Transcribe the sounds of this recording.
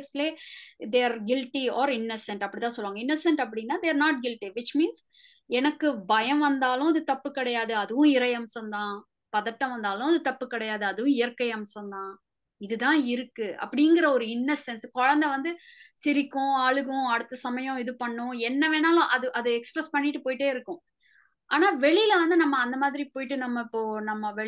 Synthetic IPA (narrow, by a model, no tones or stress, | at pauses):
sleːd̪eːɾɡɪlʈiɔːɾɪnːɐsɛɳʈɐpːɐɽɪt̪ãːsɔlːʋaːŋɡɐɪnːɐsɛɳʈɐp̬ːɐɽɪnːaːd̪eːɾnaːʈ̚ɡɪlʈiʋɪt͡ʃmiːns | ɛnɐkːɯbɐjɐ̃ʋɐnd̪aːlʊ̃ɐðɯt̪ɐpːɯkːɪɽɐjaːðɯɐðɯʋʊ̃ɪɾɐjɐmsɐ̃nd̪ãː | pɐðɐʈːɐ̃ʋɐnd̪aːlʊ̃ɐðɯt̪ɐpːɯkːɪɽɐjaːðɯɐðɯʋʊ̃ɪjɐɾkɐɪɐmsɐ̃nd̪ãː | ɪðɯðãːɪɾɯkːɯɐ̰pːɐɽɪjŋɡɪɾɐɔɾɯɪnːɐsɛnskɔɻɐnd̪ɐʋɐnd̪ɯsɪɾɪkːʊ̃aːɭɯɣʊ̃ɐɽɯt̪ːɐsɐmɐjʊ̃ɪðɯpɐɳːʊ̃ɛnːɐʋeːnaːlʊ̃ʔɐðɯʔɐðɯɛkspɾɛspɐɳːɪʈːɯpoːjʈːeːɪɾɯkːʊ̃ | ʔaːnaːʋɛɭɪlɐʋɐnd̪ɯnɐmːɐːnd̪ɐmaːðɪɾipoːjɪʈːɯnɐmːɐɪpːoːnɐmːɐʋɛ